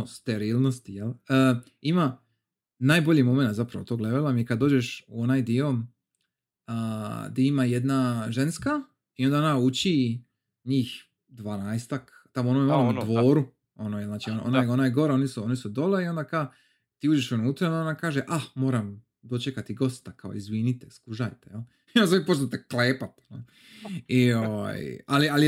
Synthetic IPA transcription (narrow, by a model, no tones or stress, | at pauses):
ost̪eɾiːlˠnost̪ijelə | ima | naːjbo̞ʎimo̞menat̪zapɾaʋot̪o̞ːɡleʋelamjekad̪d̪o̞ːd͡ʒe̞ʃuo̞najd̪io̞ | əd̪iimajed̪naʒe̞nska | io̞nd̪ao̞naut͡ʃi | ɲiːx | d̪ʋaːnaest̪ak | t̪amoonomimalomud̪ʋo̞ːɾu | onojelznaːt͡ʃioʔo̰najonajeɡo̞ɾao̞nisuo̞nisud̪o̞leio̞nd̪aka | t̪iːuːd͡ʒeʃunuːt̪ɾajond̪aonakaːʒeʔamoːɾam | d̪o̞t͡ʃekat̪iɡo̞st̪akao̰izʋiːnit̪eskuʒajt̪ejel | onsaipost̪ot̪ekleːpat̪no | ioʋa̰jaliali